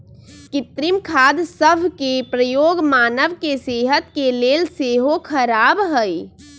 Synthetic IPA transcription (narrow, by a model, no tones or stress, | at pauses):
kit̪ɾimkʰad̪səbʱkepɾəjoɡmanəʋkeseɦət̪kelelseɦokʰəɾabɦəj